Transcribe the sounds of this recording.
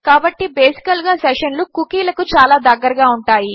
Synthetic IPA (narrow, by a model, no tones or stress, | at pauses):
kaːbɐʈːibeːsi̥kɐlɡaːseʂɐnlukukiːlɐkut͡ʃaːlaːd̪ɐɡːɐɾɐɡaːuɳʈaːji